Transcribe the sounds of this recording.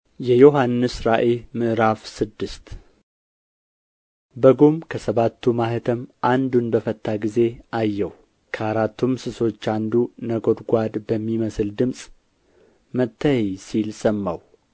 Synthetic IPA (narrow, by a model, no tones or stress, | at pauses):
jɛjo̞ɦanːɨsɾaʔemɨʔɾafsɨd̪ːɨst̪ | bəɡumkʰəsəβat̪ːumahət̪ʰəmʔand̪unbəfət̪ːaɡize̞ʔajːɛw | kʰəaɾat̪ːumsɨso̞t͡ʃːand̪unəɡo̞d̪ɡʷad̪bəmːiməsɨld̪ɨmsʼ | mət̪ʰːəhjsilsəmːa̰w